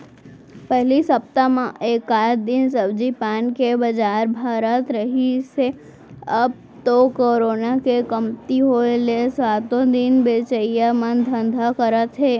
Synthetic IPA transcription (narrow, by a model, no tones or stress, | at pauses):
pəɦlisəp̚t̪amãʔekad̪insəbd͡ʒipankebəd͡ʒaɾbʱaɾət̪ɾəɦiʃe | əb̚ | t̪okoɾonakekəmt̪iɦoelesʋat̪od̪inbet͡ʃəjjamənd̪ʱə̃nd̪ʱakəɾət̪ɦe